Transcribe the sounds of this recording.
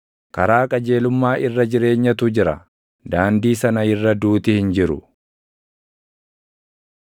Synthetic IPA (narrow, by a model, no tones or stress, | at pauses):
kɐɾaːkʼɐd͡ʒe̞ːlʊmːaːʔɪrːɐd͡ʒɪɾe̞ːɲːɐt̪ʊd͡ʒɪɾɐ̰ | d̪aːnd̪iːsɐnɐɪrːɐd̪uːt̪ɪhɪnd͡ʒɪɾʊ̰